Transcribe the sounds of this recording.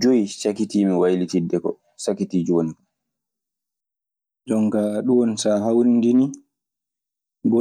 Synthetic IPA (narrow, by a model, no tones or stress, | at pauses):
d͡ʒoisakitimiwajlitidːɛkɔ̰ | sakitid͡ʒoni | d͡ʒɔŋkaɗunsaɦawndini | b